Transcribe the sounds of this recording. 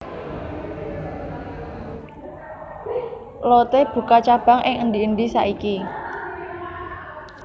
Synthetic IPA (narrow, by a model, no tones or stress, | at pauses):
lot̪eb̥ṳkat͡ʃab̥a̤ŋʔɪŋənd̪iənd̪isa̰ʔiki